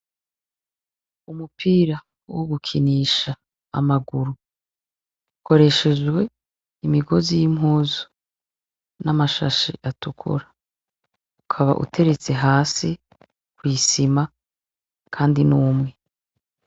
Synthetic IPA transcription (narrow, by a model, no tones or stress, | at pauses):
umupʰiːɾa | woɡukʰiniːʃa | a̰maɡuɾu | ko̞ɾe̞ʃe̞d͡ʒɡwe̞ | imiɡo̞zijimɦuːzu̥ | namaʃaʃiʔatukʰṵɾa | ukʰaβa̰ʔṵtʰe̞ɾe̞t͡se̞ɦaːsi | kwiːsima | kʰaːndinuːmŋe̞